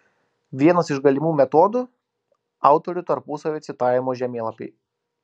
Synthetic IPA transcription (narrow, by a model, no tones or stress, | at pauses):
ʋʲiɛnɐsɪʃɡɐlʲɪmuːmʲɛt̪ɔːd̪u | ɑˑʊt̪ɔɾʲʊt̪ɐɾpʊsɐʋʲeːt̪sʲɪt̪ɑːjʲɪmoːʒʲɛmʲeːlˠɐpʲɛ̰ɪ